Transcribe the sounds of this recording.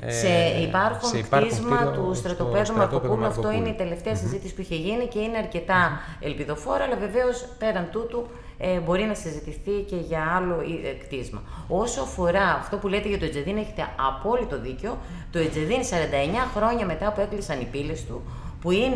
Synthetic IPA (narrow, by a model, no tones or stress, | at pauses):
seipɐɾxunk̪izmɐt̪ust̪ɾɐt̪ope̞ðumɐpokumɐft̪o̞ine̞it̪e̞le̞ft̪e̞ɐsizit̪isi̥puiçe̞ʝinice̞ine̞ɐɾce̞t̪ɐ | e̞̰lpiðo̞fo̞ɾɐːlɐve̞ve̞o̞spe̞ɾɐnt̪ut̪u | bo̞ɾinɐsizit̪iθice̞ʝɐɐlo̞ikt̪izmɐ̰o̞soɐfo̞ɾɐːft̪o̞pule̞t̪eʝɐt̪oed͡zeðine̞çe̞t̪e̞ɐpo̞lit̪o̞ðiceo̞ | t̪o̞ed͡zeðinsɐɾɐnd̪ɐeɲɐxɾo̞ɲɐme̞t̪ɐːpue̞klisɐnipile̞st̪ṵ | puin